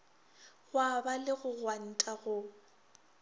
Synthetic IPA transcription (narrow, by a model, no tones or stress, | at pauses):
ɣwabalɪɣʊɣwan̩tʼaɣʊ